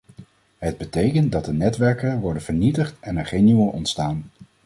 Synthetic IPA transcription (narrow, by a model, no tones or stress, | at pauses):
ɦəd̚bətejkən̚dɑt̚dənɛtʋɛɹkənʋɔɹdənv̥əɹnitəχtɛnɛɹχejnyməlɔ̰ntstaːn